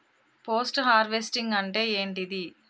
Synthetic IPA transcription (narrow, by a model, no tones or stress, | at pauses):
poːsʈɦaːɾʋesʈiŋɡɐɳʈe̞ːeːɳʈid̪i